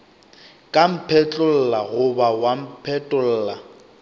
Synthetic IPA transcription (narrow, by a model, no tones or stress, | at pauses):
kʼam̩pʰɛt͡ɬʼʊl̩ːlaɣʊbawam̩pʰɛtʼʊl̩ːla